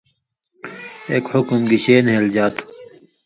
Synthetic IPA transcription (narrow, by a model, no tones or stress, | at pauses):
eːkhʊkmɡiɕeːnɦeld͡ʑaːt̪ʰu̥